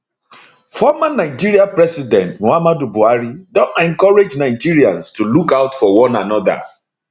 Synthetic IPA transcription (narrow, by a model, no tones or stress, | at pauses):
fɔmanaɪd͡ʒiɹiapɹɛsidɛ̃ntnoamadubuaɹidɔ̃tɛ̃ŋkɔɹed͡ʒnaɪd͡ʒiɹiãnstulukaʊtfɔwɔ̃nanɔda̰